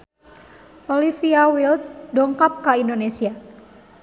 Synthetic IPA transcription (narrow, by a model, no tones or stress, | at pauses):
ʔolifiawilt̪̚dɔŋkap̚kaindonesia